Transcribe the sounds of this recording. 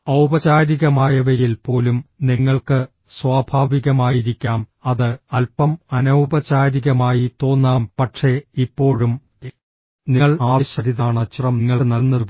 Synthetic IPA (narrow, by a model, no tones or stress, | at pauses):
ɐwbɐt͡ɕaːɾiɣɐmaːjɐʋɐjilpo̞ːlumniŋːɐɭkɨ | swaːbʱaːʋiɣɐmaːjiɾikʲːaːmɐðɨɐlpɐmɐnɐwbɐt͡ɕaːɾiɣɐmaːjit̪o̞ːnːaːmpɐʈʂe̞ipːo̞ːɻum | niɐɭaːɕɐɾiðaːɳɨt͡ɕirɐmnŋːɐɭnɐlnːɐðu